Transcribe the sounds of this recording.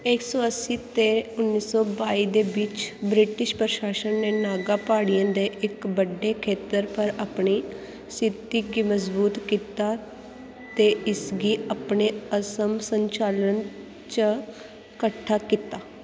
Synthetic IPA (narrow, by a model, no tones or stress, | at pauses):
eksɔːəsiːt̪eːʊnːiːsɔːbaːiːd̪eːʋɪt͡ʃbɾɪʈɪʃpɾəʃaːʃənːeːnaːɡaːpaːɽijãːd̪eːʔɪkbəɖːeːkʰeːt̪əɾpəɾaːpɳiː | sɪt̪iːɡiːməzbuːt̪kiːt̪aː | t̪eːɪsɡiːaːpɳeːəsəmsəɲt͡ʃaːlən | t͡ʃə | kəʈʰːaːkiːt̪aː